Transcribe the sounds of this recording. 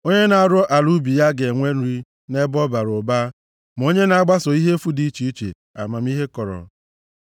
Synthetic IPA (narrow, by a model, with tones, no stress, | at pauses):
o˦ɲe˦na˨a˨ɾɔ˦ʔa˨lu˦bi˨ja˦ɡe˨ŋʷe˦n̩˦ɾi˦ | ne˦bɔ˦ba˨ɾo˨ba˦ | m˨o˦ɲe˦na˨˦˨ɡ͡ba˦sɔ˨i˦ɦe˦fu˦di˦t͡ʃi˦i˦t͡ʃḛ˨ | a̰˨ma˨m˦i˦ɦe˦kɔ˨ɾɔ̰˨